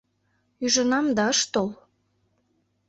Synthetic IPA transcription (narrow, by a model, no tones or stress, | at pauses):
yʒə̆nɑmd̪ɑəʃt̪ol